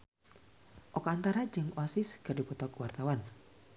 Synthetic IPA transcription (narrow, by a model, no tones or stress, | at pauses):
ʔɔkɔant̪aɾad͡ʒɨŋsɪskərdipɔt̪ɔkwart̪awan